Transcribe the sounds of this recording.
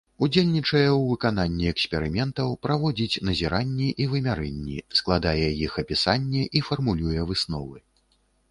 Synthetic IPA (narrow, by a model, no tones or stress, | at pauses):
ud͡zʲelʲnʲit͡ʂɐjɛwvɨkan̪anʲːiɛksʲpʲɛɾɨmʲɛnt̪ɐwpɾavɔd͡zʲit͡sʲnɐzʲiɾanʲːiʔivɨmʲaɾɛnʲːḭsklˠad̪ajɛjixɐpʲisanʲːɛʔifɐrmulʲujɛvɨsnɔ̰vɨ